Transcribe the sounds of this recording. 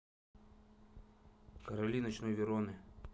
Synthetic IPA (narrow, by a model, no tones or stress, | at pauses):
kəɾɐlʲinɐt͡ɕnojvʲɪɾonɨ